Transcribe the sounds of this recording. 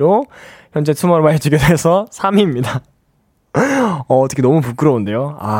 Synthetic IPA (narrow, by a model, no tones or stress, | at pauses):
ɾoçjʌnd͡ʑe̞tʰumʌɾmaed͡ʑʰuɡedeɦesʰʌsʰamimɲida | ʌːt͈ʰʌkʰenʌmupuk͈ɯɾʌonde̞joa̰